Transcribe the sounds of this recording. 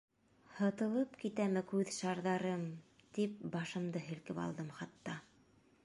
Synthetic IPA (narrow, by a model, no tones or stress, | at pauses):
hɤ̆t̪ɤ̆lˠɤpkit̪æmɘkʉðʃɑɾðɑɾɤmt̪ip̚bɑʃɤ̆md̪ɤɦɘ̆lkɘpɑ̰lˠd̪ɤmχɑt̪ːɑ